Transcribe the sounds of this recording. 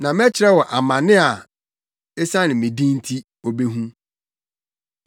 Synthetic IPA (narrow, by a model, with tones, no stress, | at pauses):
nã˨mɛ˦t͡ɕʰɪ˨˦ɾɛ˦wɔ˨ʔa˨mã˨nɪ̃˦a˨ | ɛ˦sã˦nɪ̃˨mɪ̃˨dĩ˦n̩˦tʰi˦ | o˨be˦ɦũ˦